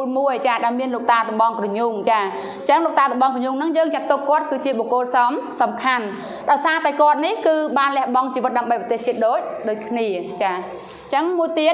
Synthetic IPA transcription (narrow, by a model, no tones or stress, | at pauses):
əjmuəjt͡ɕaːɗaɛlmiənloːk̚t̪aːt̪əɓɑŋkrɑɲuŋt͡ɕaː | t͡ɕəŋloːk̚t̪aːt̪əɓɑŋkrɔɲuŋnɨŋjəːŋt͡ɕat̪ːokkːŏət̪̚kɨːt͡ɕiəɓokoːlsɑmsɑmkʰan | ɗaɔjsaːt̪aɛkŏət̪̚nihkɨːɓaːnlɛ̆əhɓɑŋt͡ɕiːʋɨt̪̚ɗaəmɓəjpət̪eːht͡ɕiət̪̚ɗoːc̚ɗoːc̚kʰniət͡ɕaː | t͡ɕəŋmuəjt̪iət̪